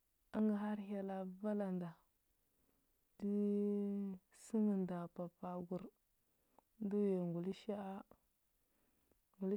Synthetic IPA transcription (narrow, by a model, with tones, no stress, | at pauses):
a˦ŋɡa˨ɦa˦ɾja˦la˨va˦la˨nda˨ | di˦ | si˦ŋi˨nda˨pa˨pa˨ɡu˨ɾ | ndu˦ja˨ŋɡu˨li˦ʃa˦ʔa˦ | ŋɡu˨l